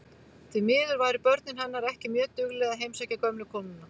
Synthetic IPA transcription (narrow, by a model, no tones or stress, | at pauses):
t̪ʰvimɪːðʏɾvaːjɾɪpœɾt̪nɪnɦanːaɾɛhcɪmjœːt̪ʏɣlɛɣaɦejmsɛcakœmlʏkʰɔːnɪnːa